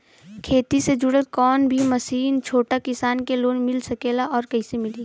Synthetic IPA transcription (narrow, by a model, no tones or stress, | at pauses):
kʰeːt̪ised͡ʒʊɽəkɔːnbʱimɐsiːnt͡ʃʰoːʈakɪsaːnkeloːnmɪlsɐkeːlaʔɔːɾkɐisemɪliː